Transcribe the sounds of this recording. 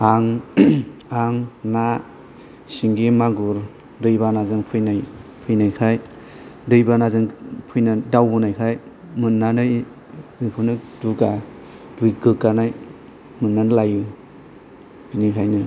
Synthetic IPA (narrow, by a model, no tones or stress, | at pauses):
aŋ | aŋna | siŋɡimaɡuɾ | dɯjbanazɯŋpʰɯjnajpʰɯjnajkʰaj | dɯjbanazɯŋpʰɯjnadawbunajkʰaj | mɯnːanɯj | ɯjpʰɯnɯduɡa | dujɡɯkːanaj | mɯnːanlaju | b̥inikʰajnɯ